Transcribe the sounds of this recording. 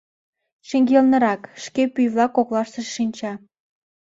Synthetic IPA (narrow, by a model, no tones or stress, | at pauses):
ʃeŋɡʲelnə̆ɾɑkʃkepyjβlɑkːoklɑʃt̪ə̆ʃːinʲt͡ɕɑ